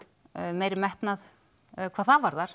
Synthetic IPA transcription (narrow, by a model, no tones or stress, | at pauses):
meːjɾɪmɛht̪nað | kʰvaːðθavaɾðaɾ̥